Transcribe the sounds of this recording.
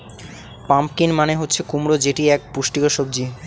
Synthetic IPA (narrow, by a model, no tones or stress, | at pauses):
pampkinmaneɦotːɕʰekumɾod͡ʑeʈiɛk̚puʃʈikaʃob̚d͡ʑi